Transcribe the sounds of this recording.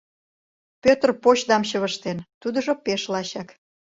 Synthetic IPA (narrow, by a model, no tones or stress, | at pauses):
pʲøt̪rpot͡ɕd̪ɑmɕəβəʃt̪ent̪ud̪ə̆ʒopeʃlɑɕɑk